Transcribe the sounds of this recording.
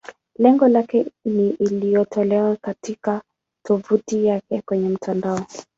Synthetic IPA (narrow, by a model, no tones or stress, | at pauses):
lɛŋɡɔlakɛniʔːlijɔtʰɔlɛwakatika | tʰuvutijakɛkwɛɲɛm̩tʰandaɔ